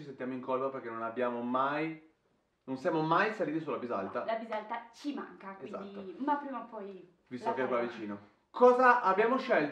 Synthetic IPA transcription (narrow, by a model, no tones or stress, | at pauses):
is̬ent̪jaːmoiŋkolpaperkenonabːjaːmomaj | nonsjamomajsaliːt̪̬isulabizalt̪alabizalt̪at͡ʃimaŋkakweiza̰tnd̪iːomapɾimapɔj | vist̪okeɛkwavit͡ʃiːno | kɔːzaʔːbjaːmoʃɛl